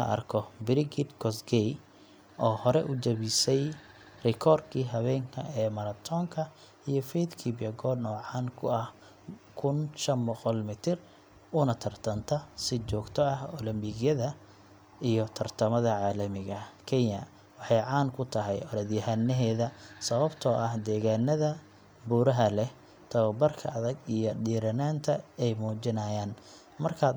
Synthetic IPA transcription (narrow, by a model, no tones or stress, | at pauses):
ɐ̰ʔɐ̰rkʰɔbɪɾɪɡɪd̪kʰɔsɡɛj | ʔɔːhɔɾɛʔʊt͡ʃɐβɪsɛj | rɪkʰɔːrd̪kʰiːɦɐβɛːŋkʰɐ̰ʔɛːmɐɾɐt̪ʰɔːŋkʰɐ | ijɔfɛd̪kʰiːbɪjɐɡɔːd̪nɔːʕɑːnkʰʊɐh | kʰʊnʃɐnbɔqɔlmɪt̪ʰɪr | ʊnɐt̪ʰɐrt̪ʰɐnt̪ʰɐsɪt͡ʃɔːɡt̪ʰɔɐhɔlɐmbɪɣjɐðɐ | ijɔt̪ʰɐrt̪ʰɐmɐðɐʕɑːlɐmɪɣɐkʰɛɲɐ̰ | wɑħɑjʕɑːnkʰʊt̪ʰɐɦɛ̰jɔɾɐðjɐhɐnːɛɦɛːðɐsɐβɐbt̪ʰɔːʔɐhd̪ɛːɣaːnːɐðɐ | buːɾɐɦɐlɛh | t̪ʰɐβɐbɐrkʰɐ̰ɐðɐɡijɔɖiːɾɐnaːnt̪ʰɐɛjmuːt͡ʃɪnaːjaːn | mɐrkʰaː